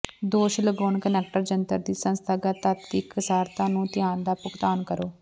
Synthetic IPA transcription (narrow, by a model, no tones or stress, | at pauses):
d̪oːʃləɡoːnkənɛːk̚ʈəɾd͡ʒənt̪əɾd̪iːsə̃nst̪ʰaːɡaːt̪at̪ːiːkəsaːɾt̪ãːnũːt̪ɪjaːnd̪aːpʊkt̪aːnkəɾoː